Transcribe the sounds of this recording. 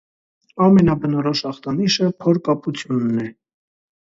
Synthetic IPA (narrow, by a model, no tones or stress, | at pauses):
ɑmɛnɑbənɔɾɔʃɑχt̪ɑniʃəpʰɔɾkɑput͡sʰjunːɛ